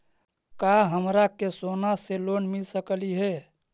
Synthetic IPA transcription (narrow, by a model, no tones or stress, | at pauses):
kaɦəmɾakesonaselonmilsəkəliɦɛ